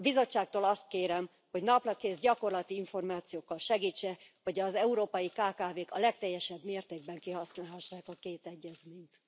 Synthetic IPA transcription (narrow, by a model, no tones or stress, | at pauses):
bizo̞t͡ʃːaːk̚t̪oːlɒst̪̚keːɾɛm | ho̞ɟnɒplɒkeːzɟɒko̞rlɒt̪iiɱfo̞rmaːt̪sijoːkːɒlʃɛɡiːt͡ʃːɛho̞ɟɒzɛuɾoːpɒjikaːkaːveːkɒlɛkt̪ɛjːɛʃɛbmeːrt̪eːɡ̚bɛŋkiɦɒsnaːlɦɒʃːaːkɒkeːt̪ɛɟːɛzmeːɲt̪